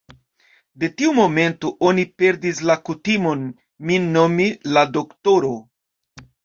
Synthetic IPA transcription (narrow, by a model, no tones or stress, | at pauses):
de̞tiumo̞me̞ntoʔo̞nipe̞ɾdislakutimo̞n | minnːo̞milado̞kto̞ɾo̞